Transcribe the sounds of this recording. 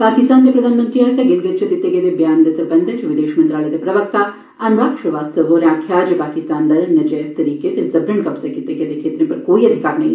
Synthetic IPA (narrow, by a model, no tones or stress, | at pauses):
paːkɪst̪aːnd̪epɾɐd̪ʱaːnmə̃nt̪ɾiɛseɡɪlɡɐt̪t͡ʃʰɐt̪ɪt̪ːeɡeːd̪ebjaːnd̪esɾbɐnd̪ʱɐt͡ʃʋɪd̪eːʃmɐnt̪ɾaːled̪epɾɐʋək̚t̪aː | ɐnuɾaːkʂɐʋaːst̪ʰɐʋoɾaːkʰːjaːd͡ʒpaːkɪst̪aːnd̪ɐlnɐd͡ʒɛːst̪ɐɾiːket̪ezɐbɾɐɳkɐpsɐkɪt̪ːeɡed̪ekʰeːt̪ɾẽpɐɾkoːiɐd̪ʱɪkaːɾnɐɦĩ